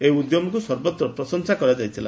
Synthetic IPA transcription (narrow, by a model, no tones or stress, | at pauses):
eud̪jɔmɔkusɔɾbɔt̪ɾɔpɾɔsɔŋsakɔɾad͡ʒajt̪ʰila